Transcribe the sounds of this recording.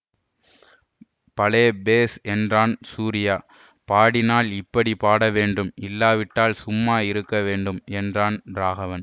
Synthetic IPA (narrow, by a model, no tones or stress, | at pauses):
pɐleːbeːsɛndraːnsuːɾɪjaː | paːɽɪnaːlɪpːɐɽipaːɽɐʋeːɳɖɯmɪlːaːʋɪʈːaːlsʊmːaːɪɾɯkːɐʋeːɳɖɯmɛndraːnɾaːɣɐʋɐn